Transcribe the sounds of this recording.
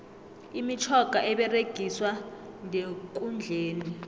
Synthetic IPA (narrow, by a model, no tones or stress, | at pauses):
imit͡ʃʰɔɡ̥ʱaʔɛɓɛreɡ̥ʱiswa | ŋʱek̬ʼund͡ɮʱeːni